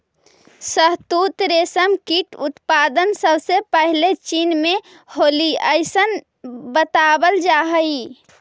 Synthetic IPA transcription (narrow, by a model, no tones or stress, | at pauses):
səɦt̪ut̪ɾesəmkiʈut̪pad̪ənsəbsepəɦlet͡ʃinme | holiəjsən | bət̪abəld͡ʒaɦəj